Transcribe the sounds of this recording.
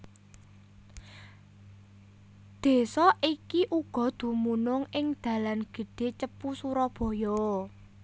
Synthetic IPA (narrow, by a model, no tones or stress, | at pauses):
d̪̥e̤sɔʔikiʔuɡ̥ɔ̤d̪̥ṳmunʊŋɪŋd̪̥ä̤lanɡ̥ə̤ɖ̥e̤t͡ʃəpusuɾɔb̥ɔ̤jɔ